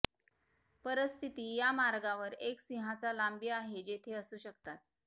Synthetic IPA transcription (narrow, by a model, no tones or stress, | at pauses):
pəɾəst̪ʰit̪iːjamaɾɡaʋəɾeksiɦat͡salambiːaɦed͡ʑet̪ʰeəsuːɕək̚t̪at̪̚